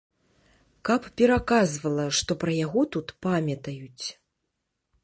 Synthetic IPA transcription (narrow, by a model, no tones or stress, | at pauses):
kɐppʲɛɾakazvɐlˠɐʂt̪ɔpɾɐjaɣɔt̪ut̪pamʲɐt̪ɐjut͡sʲ